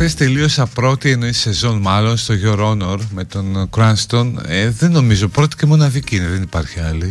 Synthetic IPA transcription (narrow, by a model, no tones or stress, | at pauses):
θest̪e̞lio̞sɐpɾo̞t̪ieno̞ise̞zo̞nmɐlo̞nst̪o̞ʝo̞ɾo̞no̞ɾme̞t̪o̞nkɾɐnst̪o̞neðe̞nːo̞mizo̞pɾo̞t̪i̥cemo̞nɐðiciineðenipɐɾçiɐli